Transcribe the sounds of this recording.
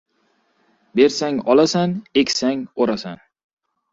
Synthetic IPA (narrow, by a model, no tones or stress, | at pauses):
be̞ɾsaŋɒlˠasanekʲsaŋoɾasan